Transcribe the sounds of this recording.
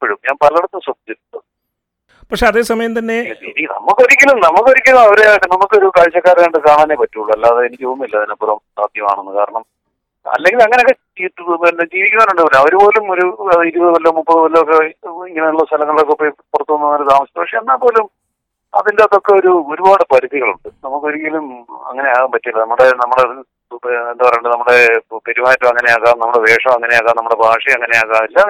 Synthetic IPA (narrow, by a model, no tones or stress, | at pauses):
pːeɻumɲaːnpɐlɐɐɽɐt̪ːɨmsɐt̪etːuɐ | pɐkʂe̞ɐðe̞ːsɐmɐjɐmt̪ɐnːe̞iinɐ̰mːukːoɾikʲːɐlumnɐmːukːoɾikʲːunːɐmɐʋɐɾejaːjiʈːɨnɐmːukːɨoɾukɐɻt͡ɕːɐkːaːɾɐmajɳɖkaːɳaːnepɐtːuuɭːuɐlːaːɐðɐenikʲːuʋumilːɐɐðinɐpːuɾɐmsa̰ːd̪jɐma̰ːɳenːɨka̰ːɾɐɳɐm | ɐ̰lːe̞ŋɡilɐŋːɐne̞okːe | it̪ːenːed͡ʑiːʋikʲːuŋaːnuɳɖɨʋɐlumɐʋɐɾupo̞ːlumoɾuɐðiɾubɐɨʋɐlːomupːɐðʋɐlːɐok̬ːeiŋːɐneuɭːɐst̪ʰɐlɐŋːɐɭilokːepːepurɐt̪ːuʋɐnɐoɾut̪aːmɐst̪ːɐpːɐkʂeɐnːaːpo̞ːlum | ɐ̰ðindeɐðo̞kːe̞oɾuoɾubaːɽɨpɐɾiðiɣɐɭuɳɖɨnɐmːukːo̞ɾikʲːilumɐ̰ŋːɐne̞jaːɣaːmpɐtːijilːɐnɐmːuɽe̞nɐmːuɽei | end̪ɐʋɐreːɳɖɨnɐmːuɽe̞pe̞ɾimaːtːɐmɐŋːɐne̞jaːɣaːmnɐmːuɽeʋe̞ːʂɐmɐŋːɐne̞jaːɣaːnɐmːuɽe̞bʱaːʂɐjɐŋːɐnejaːɣaːmilːɐ